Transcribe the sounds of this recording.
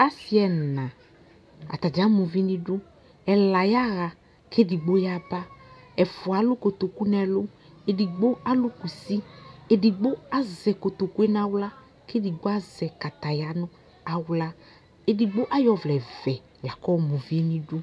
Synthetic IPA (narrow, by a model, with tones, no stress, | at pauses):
a˦si˨˦ɛ˨n˨nã˨ | a̰˨t̪a˨d͡ʒa˦mũ˨vi˦nĩ˦du˦ | ɛ˨la˨ja˦ɣa˨ | ke˦di˨ɡ͡bo˦ja˦ba˦ɛ˨fʊ˨a˨˦lʊ˦ko˨t̪o˨ku˦nɛ˨lo˦ | e˨di˨ɡ͡bo˦a˦lu˦ku˨si˦e˨di˨ɡ͡bo˦a˦zɛ˨ko˨t̪o˨ku˦e˦n˦a˨wla˦ | ke˦di˨ɡ͡bo˦a˦zɛ˨ka˨t̪a˨ja˨˦nʊ̃˦ | a˨wla˦ | e˨di˨ɡ͡bo˦ʔa˦jɔ˨vlɛ˨vɛ˨ | la˨kɔ˦˨mũ˨vi˦e˦nĩ˦du˦